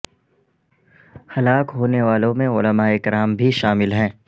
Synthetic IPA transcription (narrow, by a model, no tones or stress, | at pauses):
hɐlaːkɦoːneʋaːlõmẽʊləmaːeɪkɪɾaːmbʱiʃaːmɪlɦɛ̃ː